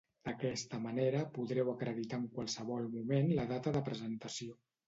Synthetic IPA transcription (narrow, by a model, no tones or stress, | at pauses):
d̪̥əkɛst̪əməneɾəpuðɾɛwəkɾəðit̪aəŋkwalˠsəβɔlˠmumenləðat̪əðəpɾəzənt̪əsio